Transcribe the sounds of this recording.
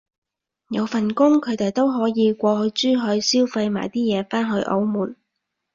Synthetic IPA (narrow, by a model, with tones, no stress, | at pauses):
jɐ˨˧wfɐ˨˩nkʊ˥ŋkʰɵ˨˧ɥt̪e˨˩jt̪o˥wɦɔː˨˥jiː˨˧kʷɔː˧hɵ˧ɥt͡syː˥ɦɵ˧ɥsiː˥wfa˧jma̰ː˨˩jt̪iː˥jɛː˨˧faː˥nɦɵ˧ɥʔo̰˨˧˥wmuː˨˩n